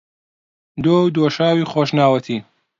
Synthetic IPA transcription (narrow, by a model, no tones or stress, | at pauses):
d̪oːwd̪oːʃaːwiːxoːʃnaːwɐt̪ʰiː